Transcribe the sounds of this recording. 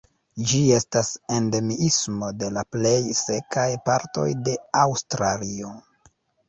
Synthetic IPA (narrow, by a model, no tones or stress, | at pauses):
d͡ʒie̞stase̞nde̞miismo̞de̞laple̞jse̞kajpaɾto̞̰jde̞awstɾalio̞